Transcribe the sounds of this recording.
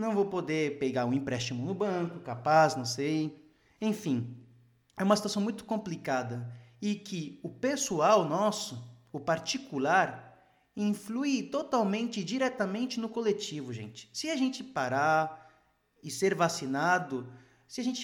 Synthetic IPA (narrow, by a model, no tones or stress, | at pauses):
nɐ̃w̃vowpod̪epeɡaɾʊ̃ĩpɾɛst͡ʃimʊnʊbɐ̃kʊkapaznɐ̃w̃sej | ẽfĩ | ɛũmɐsit̪uwasɐ̃w̃mũj̃t̪ʊ̥kõmplikad̪ɐɪkɪʊpesuawnɔsʊʊpaɾt͡ʃikulaɾ | ĩflut̪ot̪awmẽnt͡ʃɪd͡ʒiɾɛt̪ɐmẽnt͡ʃɪnʊkolet͡ʃivʊʒḛ̃nt͡ʃɪ̥sɪaʒẽnt͡ʃɪpaɾa | ɪseɾvasinad̪ʊ | sɪaʒẽnt͡ʃ